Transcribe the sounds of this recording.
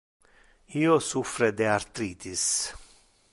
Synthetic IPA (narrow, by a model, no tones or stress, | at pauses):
iːosufɾed̪eaɾt̪ɾiːt̪is